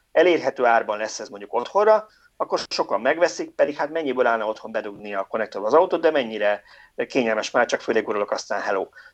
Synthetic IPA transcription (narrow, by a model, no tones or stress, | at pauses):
ɛleːrɦɛt̪øːaːrbɒnlɛsːɛzmo̞ɲɟuko̞t̪ho̞rrɒ | ɒkːo̞rʃo̞kɒmːɛɡʋɛsik̚pɛd̪ikhat̪mɛɲːibøːlaːlnɒo̞t̪ho̞mbɛd̪uɡniɒko̞nɛk̚t̪ovɒzɒut̪oːd̪d̪ɛmɛɲːiɾɛ | keːɲɛlmɛʃmaːrt͡ʃɒkføːleːɡuɾolo̞kɒst̪aːnɦɛloː